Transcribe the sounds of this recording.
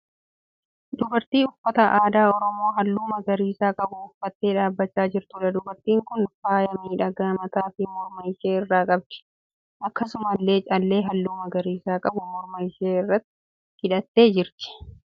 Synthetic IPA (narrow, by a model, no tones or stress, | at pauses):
d̪ʊbɐɾt̪iːʊfːɐt̪ɐʔaːd̪aːɔɾɔmo̞ːɦɐlːuːmɐɡɐɾiːsaːkʼɐbʊʊfːɐt̪ːe̞ːᶑaːbːɐt͡ʃːaːd͡ʒɪɾt̪uːᶑɐd̪ʊbɐɾt̪iːŋkʊnfaːjɐmiːᶑɐɡaːmɐt̪aːfɪmɔɾmɐjɪʃeːɪrːaːkʼɐb̚d̪̥ɪ̥ | ʔɐkːɐsʊmɐlːe̞ːt͡ʃʼɐlːe̞ːɦɐlːuːmɐɡɐɾiːsaːkʼɐbʊmɔɾmɐjɪʃeːɪrːɐt̪ːɪ | hɪᶑɐt̪ːe̞ːd͡ʒɪɾt̪ɪ̥